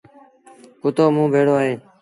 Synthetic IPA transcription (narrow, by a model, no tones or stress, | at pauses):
kʊt̪oːmũːbʱeːɽoːaːɦeː